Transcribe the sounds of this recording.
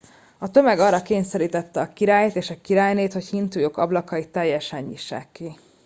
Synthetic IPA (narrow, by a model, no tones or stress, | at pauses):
ɒt̪ø̞mɛɡɒrːɒkeːɲsɛɾiːt̪ɛt̪ːɛɒkiɾaːjet̪eːʃɒkiɾaːjneːt̪ho̞chint̪ujo̞kɒblɒkɒit̪ːɛjːɛʃɛɲːḭʃːɛ̰kːi